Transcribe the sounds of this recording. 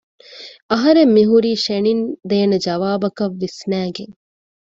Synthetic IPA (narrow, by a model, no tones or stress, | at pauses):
ɐɦɐɾemːiɦuɾiːʃenind̪eːnɐd͡ʒɐʋaːbɐkɐʋːisnæːɡeŋ